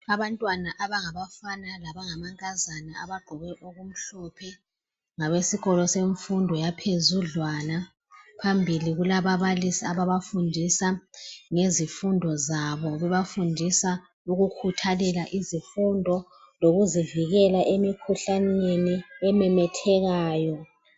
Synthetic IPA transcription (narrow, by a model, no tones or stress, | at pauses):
aβantʼwanaʔaβaŋaβafanalaβaŋamaŋkʼazanaaβaɡ͡ǃʱɔβɛʔoɣum̩ɬɔpʰɛ | ŋaβesiɣɔlɔseɱfundʱɔjapʰezuɮwana | pʰambʱiliɣulaβaβalisiaβaβafundʱisaŋezifundʱɔzaβɔɣɛβafundʱisa | uɣukʰutʰalɛlaʔizifundʱɔ | loɣuziviɣɛlaʔemikʰuɬaneniɛmɛmɛtʰɛɣaːjɔ